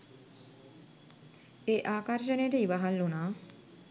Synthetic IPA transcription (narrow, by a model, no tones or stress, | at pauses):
eʔaːkaɾʃeneʈeibaɦalːona